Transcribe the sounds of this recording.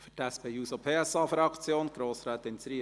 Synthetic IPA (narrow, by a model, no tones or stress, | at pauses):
fʏtæspʰeːjuːsopʰeːæsɑːfɾɑkt͡sjoːnɡ̥ɾoːsɾæːt̪ɪnsɾi